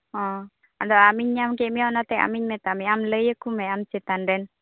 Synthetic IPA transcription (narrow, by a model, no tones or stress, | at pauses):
ɔ̃ | and̪ɔʔamiɲɲamkemianat̪ɛa̰miɲmɛt̪amiamləjəkumɛamsit̪andɛn